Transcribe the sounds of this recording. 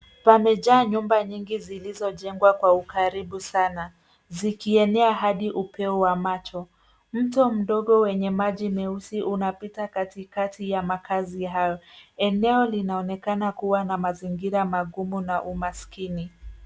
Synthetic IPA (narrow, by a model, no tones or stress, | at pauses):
pamɛʄaːɲumbaɲiŋɡizilizɔʄɛŋɡwakwaukaɾiɓusana | zikiɛnɛaɦaɗiʔupʰɛuwamat͡ʃɔ | m̩tɔm̩ɗɔɠɔwɛɲɛmaʄimɛusiʔunapitakatikatijamakʰaziɦajɔɛnɛɔlinaɔnɛkanakuwanamaziŋɡiɾamaɠumunaʔumaskini